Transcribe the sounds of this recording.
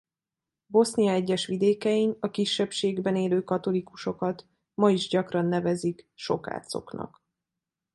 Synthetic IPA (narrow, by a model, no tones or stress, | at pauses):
bo̞snijɒɛɟːɛʃʋid̪eːkɛjinɒkiʃːɛpʃeːɡbɛneːløːkɒt̪o̞likuʃo̞kɒt̪ | mɒiʒɟɒkrɒnːɛvɛzikʃo̞ka̰ːt̪so̞̰knɒ̰k